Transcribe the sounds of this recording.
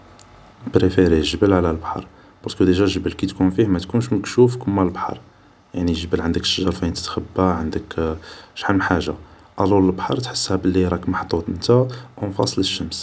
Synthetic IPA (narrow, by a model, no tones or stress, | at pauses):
bɾefiɾiʒəbəlʕlælbħɑ̰ɾˤ | b̥ɑɾskəd̪iʒælʒəbəlkit̪kunfihmæt̪kunʃməkʃufkʊmːælbħɑ̰ɾˤ | jaʕniʒəbəlʕənd̪əkʃːəʒɑɾˤfæənt̪ə̥t̪xəbːaʕənd̪əkʃħamːħaʒːa | ʔæluləlbħɑɾˤt̪ħə̥sːhæbəlːiɾˤɑkmaħt̪ˤːut̪ˤənt̪æwnfɑ̰sˤləʃːəms